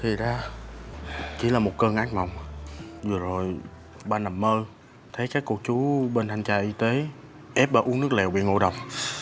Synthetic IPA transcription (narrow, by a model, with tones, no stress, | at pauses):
t̪ʰi˨˩zaː˧ | t͡ɕḭ˧˩laː˨˩mo˨˩t̚kəː˧ŋʔa˨˦˥ŋ̟ma˨˩wŋ͡mzɨ˨˩əzo˨˩j | ɓaː˧na˨˩mːəː˧ | t̪ʰə˨˦jkaː˨˦˥kːu˧k̚t͡ɕu˨˦ɓe˧nt̪a˧˩ŋt͡ɕaː˧˩ʔi˧t̪e˨˦ | ʔɛ˦˥p̚ɓaː˧˩ʔu˨˦əŋnɨ˦˥ək̚lɛ˨˩wɓḭ˧˨ŋo̰˧˩jɗə˨˩wŋ͡m̚